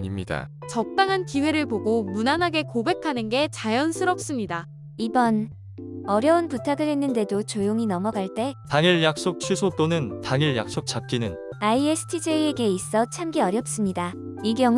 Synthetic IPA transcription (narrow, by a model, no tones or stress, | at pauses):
ɲimɲida̰ | t͡ɕʌk̚t͈aŋɦankiwe̞ɾɯɭpoɡomunanɦaɡe̞kobe̞kʰanɯnɡe̞t͡ɕajʌnsʰɯɾʌp̚s͈ɯmɲida | ibʌn | ʌɾjʌunputʰaɡɯɭɦe̞nːɯnde̞dot͡ɕojoŋinʌmʌɡaɭt͈e̞taŋiɭjak̚s͈ok̚t͡ɕʰɥisʰot͈onɯntaŋiɭja̰k̚s͈ok̚t͡ɕ͈ap̚k͈inɯn | aiesʰɯ̥tʰid͡ʑeieɡe̞is͈ʌt͡ɕʰamɡiʌɾjʌp̚s͈ɯmɲida | iɡjʌŋ